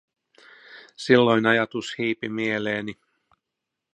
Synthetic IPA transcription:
silːo̞jnɑjɑt̪ushiːpimie̞leːni

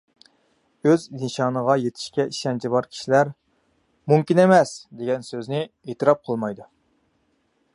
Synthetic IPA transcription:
øzinʃɑːnəʁɑjet̪ʰɪ̥ʃkʲɛiʃɛnt͡ʃʰibɑɾkʲʰi̥ʃilæɾ | mumkʲinemɛsd̪eɡʲɛnsøznɪ | et̪ɨɾɑp̚qʰəlˠmɑjd̪u

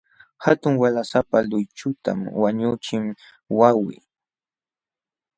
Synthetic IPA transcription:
hat̪ʊŋwalasapalʊjt͡ʃʊt̪a̰mwaɲʊt͡ʃɪm | wawɪ̰

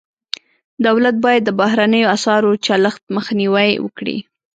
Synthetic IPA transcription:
d̪awlat̪̚bɑjad̪ːəbahɾanəjoasɑɾot͡ʃaləxt̪məxniwajwə̰kɽḭ

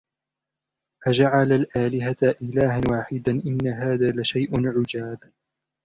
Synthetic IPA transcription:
ʔad͡ʒaʕalalʔaːlɪɦatʔɪlaːɦawaːħɪd̪aʔɪnːaɦaːðaːlaʃajʔanʕʊd͡ʒaːb

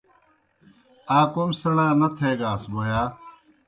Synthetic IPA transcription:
aːkomsəɽaːnət̪ʰeːɡaːsboːjaː

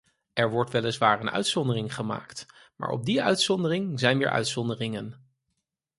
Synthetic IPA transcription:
ɛɹʋɔɹtʋɛləsʋaːɹənœ̰ɥtsɔndərɪŋχəma̰ːkt | ma̰ːɹʔɔ̰b̚diœɥtsɔndərɪŋzɛjnʋɪːɹʔœ̰ɥtsɔndərɪŋən

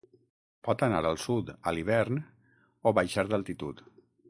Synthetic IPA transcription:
pɔt̪anaɾəlˠsut̪əliβ̞ɛɾn | oβajʃaɾd̪alˠt̪it̪ut̪

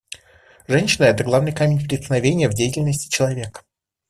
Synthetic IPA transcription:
ʐɛnʲɕɪnəɛt̪əɡlˠavnɨjkamʲɪnʲpɾʲɪt̪snɐvʲenʲɪjəvdʲejɪtʲɪlʲnəsʲtʲɪ̥t͡ɕɪlˠɐvʲe̞kə

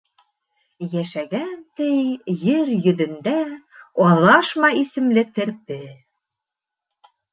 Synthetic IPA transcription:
jæʃæɡænt̪ɘjjɘɾjɵ̆ðɘ̆nd̪æɑlˠɑʃmɑisɘ̆mlɘt̪ɘ̆ɾpɘ

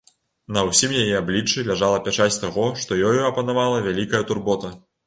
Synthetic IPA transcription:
nɐwsʲimjajɛablʲit͡ʂːɨlʲaʐalˠɐpʲat͡ʂasʲt̪aɣɔʂt̪ɔjɔjuɐpɐnavalˠɐvʲalʲikɐjɐt̪urbɔt̪ɐ

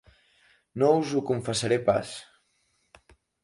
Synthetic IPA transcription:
nouzukuɱfəsaɾepa̰s

